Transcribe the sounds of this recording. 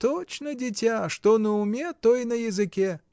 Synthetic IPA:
t̪ot͡ɕnədʲɪtʲaʂt̪onəʊmʲet̪ojnɐjɪzɨkʲe

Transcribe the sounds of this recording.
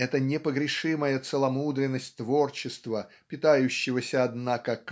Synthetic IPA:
ɛt̪ənʲɪpəɡɾʲɪʂɨməjət̪səlˠɐmud̪ɾʲɪnːəsʲtʲt̪vort͡ɕɪst̪və | pʲɪt̪ajʉɕːɪvəsʲəɐd̪nakək

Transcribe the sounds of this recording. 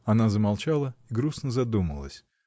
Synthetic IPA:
ɐnazəmalˠt͡ɕalˠəiɡɾusnəzɐd̪uməlˠə̰sʲ

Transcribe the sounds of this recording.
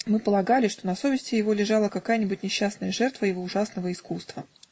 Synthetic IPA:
mɨpəlˠɐɡalʲɪʂt̪onɐso̞vʲɪsʲtʲɪjɪvo̞lʲɪʐɑlˠəkɐkajənʲɪbʊtʲnʲɪɕːasnəjəʐɛrt̪vəjɪvo̞ʊʐasnəvəɪskust̪və

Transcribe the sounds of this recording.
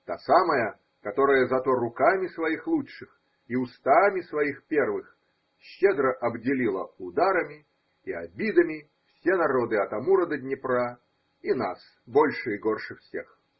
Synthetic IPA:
t̪asaməjə | kɐt̪oɾəjəzɐt̪o̞ɾʊkamʲɪsvɐixlˠutʂɨx | iʊst̪amʲɪsvɐixpʲervɨx | ɕːed̪ɾəʔɐbdʲɪlʲilˠəʊd̪aɾəmʲɪː | ɐbʲid̪əmʲɪ | fsʲenɐɾo̞d̪ɨɐt̪ɐmuɾəd̪əd̪ʲnʲɪpɾa | inas | bo̞lʲʂɨɪɡorʂɨfsʲex

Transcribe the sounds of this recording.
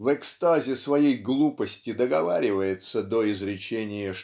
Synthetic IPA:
vɛkst̪azʲɪsvɐjejɡlˠupəsʲtʲɪd̪əɡɐvaɾʲɪvəjɪt̪səd̪oɪzɾʲɪt͡ɕenʲɪjəʂ

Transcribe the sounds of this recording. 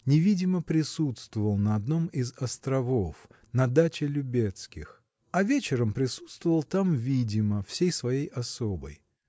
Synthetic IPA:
nʲɪvʲidʲɪməpɾʲɪsut̪st̪vʊvəlˠnɐɐd̪no̞mɪzɐst̪ɾɐvof | nɐd̪at͡ɕɪlʲʊbʲet̪skʲɪ̰x | ɐvʲet͡ɕɪɾəmpɾʲɪsu̥t̪st̪vʊvəlˠt̪amvʲidʲɪməfsʲejsvɐjejɐsobə̰j

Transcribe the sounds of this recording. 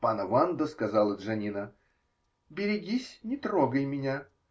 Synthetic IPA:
panəvand̪əskɐzɑlˠəd̪ʐɐnʲinə | bʲɪɾʲɪɡʲisʲnʲɪt̪ɾoɡəjmʲɪnʲa

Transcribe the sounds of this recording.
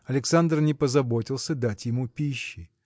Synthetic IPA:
ɐlʲɪksand̪rnʲɪpəzɐbo̞tʲɪlˠsʲəd̪atʲjɪmupʲiɕːɪ

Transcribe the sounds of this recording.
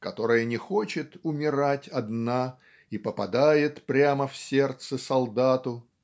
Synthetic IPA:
kɐt̪o̞ɾɨjənʲɪxo̞t͡ɕɪt̪ʊmʲɪɾatʲɐd̪na | ipəpɐd̪ajɪt̪pɾʲaməfsʲe̞rt̪səsɐlˠd̪at̪ʊ

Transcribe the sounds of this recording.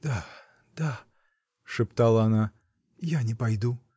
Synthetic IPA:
d̪̥a | d̪̥a | ʂɨpt̪ɑlˠəːnɑ | janʲɪpɑjd̪u

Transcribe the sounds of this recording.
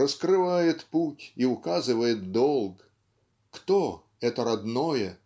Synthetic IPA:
rəskɾɨvajɪt̪putʲiʊkazɨvəjɪt̪̚d̪ɔlˠk | kt̪ɔ | ɛt̪əɾad̪nɔjɛ

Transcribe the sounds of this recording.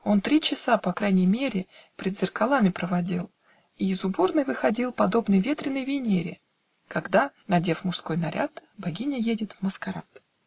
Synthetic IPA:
o̞nt̪ɾʲit͡ɕɪsapɐkɾajnʲɪjmʲeɾʲɪpʲɾʲɪd̪zʲɪrkɐlˠamʲɪpɾəvɐdʲilˠ | iɪzʊbornɨjvɨxɐdʲilˠpɐd̪o̞bnɨjvʲe̞t̪ɾʲɪnːəjvʲɪnʲeɾʲɪ̰ | kɐɡd̪anɐdʲe̞fmʊʂsko̞jnɐɾʲa̰t̪bɐɡʲinʲəjedʲɪt̪vməskɐɾat̪

